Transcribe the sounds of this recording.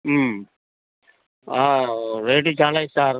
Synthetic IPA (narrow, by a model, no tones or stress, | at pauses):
aːɾeːɖiːd͡ʒʱaːlaisaːɾ